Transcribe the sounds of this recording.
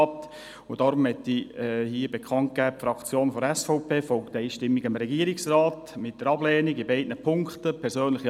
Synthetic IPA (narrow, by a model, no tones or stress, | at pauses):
p̚t | ʊd̥ɑːɾʊmhɛtːihiːəbekχɑnt̚ɡ̥æːpfɾɑkt͡sjoːnfɔɾɛsfɔʊpʰeːfɔlktəiːʃtɪmːiɡ̥ɪmɾɛɡiəɾɪksrɑːtmɪt̚d̥əɾɑblɛːniɡɪbɛɪdnəpʰʊŋktəpʰɛɾsøːnlɪχi